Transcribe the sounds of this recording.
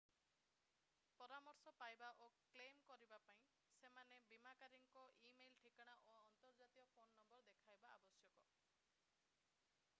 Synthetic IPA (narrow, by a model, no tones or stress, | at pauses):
pɔɾamɔɾsɔpajbaʔoklemkɔɾibapaĩ | semanebimakaɾiŋkɔʔimejlʈʰikaɽ̃aʔoɔnt̪ɔɾd͡ʒat̪iɔpʰonːɔmbɔɾd̪ekʰajbaabɔsjɔkɔ